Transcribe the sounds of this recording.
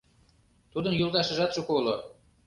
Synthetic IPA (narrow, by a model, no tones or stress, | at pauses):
t̪ud̪ənjulˠd̪ɑʃɤ̆ʒɑt̪ʃukolo